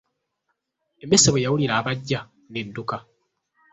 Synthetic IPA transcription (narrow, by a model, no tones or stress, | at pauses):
emeseβwejawuliɾaːβaɟːa | nedːuka